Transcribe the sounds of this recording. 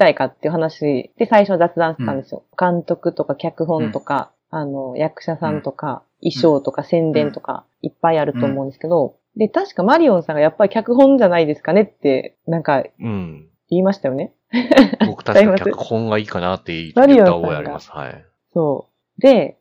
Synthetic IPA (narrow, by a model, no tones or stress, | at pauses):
t̪aikat̪ːe̞jiɯ̟ɦanaɕid̪̥e̞saiɕo̞βazat͡sɨd̪ãɕt̪et̪ãnd̪esɨjo̞̰kãnt̪o̞kɯ̟t̪o̞kakʲakɯ̟ɦõ̞nt̪o̞ka̰ | ano̞jakɯ̟̥ɕasãnt̪o̞ka̰ | iɕo̞ːt̪o̞kasẽ̞nd̪ẽ̞nt̪o̞ka̰ | ipːaiaɾɯ̟t̪o̞ːmo̞ɯ̃nd̪e̞sɨ̥ke̞d̪o̞ | d̪e̞t̪aɕi̥kamaɾʲiõ̞ɰ̃sãŋɡajapːaɾʲi̥kʲakɯ̟ɦõ̞ɲd͡ʑanaid̪e̞sɨ̥kane̞t̪ːe̞ | nãŋkaɯ | iːmaɕi̥t̪ajo̞ne̞ | kimasɨõŋɡaiːkanat̪ːeimaɾʲiõ̞ãaɾiɡaa̰sha̰j | so̞ː | d̪e̞